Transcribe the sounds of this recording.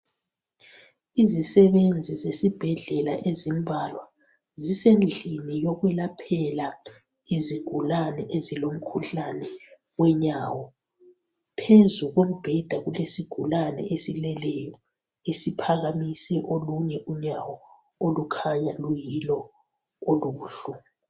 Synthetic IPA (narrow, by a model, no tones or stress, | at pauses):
izisɛβend͡zʱizesib̥ʱɛɮɛla̰ʔezimbʱalwa | zisend͡ɮʱinijɔɣwɛlapʰɛla | iziɡ̥ʱulanɛʔezilom̩kʰuɬanɛ | wɛɲaːwɔ | pʰezuɣomub̥ʱɛd̥ʱaɣulesiɡ̥ʱulanɛ̰ʔesilɛlɛjɔ | esipʰaɣamisɛʔoluɲɛʔuɲawɔ | olukʰaɲalujilɔ | oluːɬu